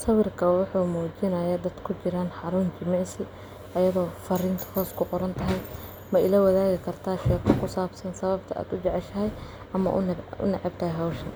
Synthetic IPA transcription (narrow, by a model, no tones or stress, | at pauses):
sɐwɪrkʰɐwʊħuːmuːt͡ʃɪnɐjɐd̪ɐd̪kʰʊt͡ʃɪɾaːnħɑɾuːnt͡ʃɪmɑʕsɪ | ɐjɐðɔːfɐriːnt̪ʰɐ̥hɔːskʰʊqɔɾɐnt̪ʰɐɦɛj | mɐɪlɐwɐðaːɣɪkʰɐrt̪ʰaːʃɛːkʰɐkʰʊsaːbsɐnsɐβɐbt̪ʰɐa̰ːd̪ʊd͡ʒɛʕɛʃɐɦɛj | ɐmɐ̰ʔʊ̰nʊ̰nɑʕɪbt̪ʰɐhɛjɦɔwʃɐn